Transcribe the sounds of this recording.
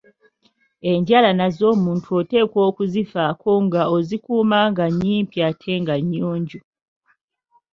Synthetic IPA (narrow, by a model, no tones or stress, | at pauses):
e̞ɲɟalanazo̞ːmuːntʰuote̞ːkwo̞ːkuzifakʰo̞ŋɡaozikuːmaŋɡaɲːiːmpiatʰe̞ŋɡaɲːoːɲɟu